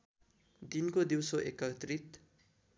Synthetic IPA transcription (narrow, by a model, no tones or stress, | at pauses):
d̪inkod̪iwsoʔekʌkt̪rit̪